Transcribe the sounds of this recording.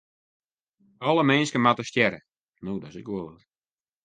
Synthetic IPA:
ɔlˠəmɛnskəmatəʃcɛɾə | noːdɔsɪkolˠə

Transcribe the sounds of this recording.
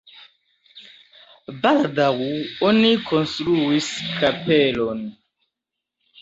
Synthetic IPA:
baladaɣuɔnikʰɔnstɾuiskʰapɛlɔn

